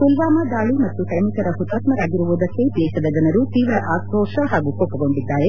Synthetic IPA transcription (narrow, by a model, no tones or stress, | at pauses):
kulʋaːmɐd̪aːɭimɐt̪ːuʈɐjmikɐɾɐɦut̪aːt̪mɐɾaːɡiɾuʋud̪ɐkːep̪esɐd̪ɐd͡ʒɐnɐɾut̪iːʋɾɐʔaːkʰɔːʃɐɦaːɡukoːpːɐɡo̞ɳɖid̪ːaːɾe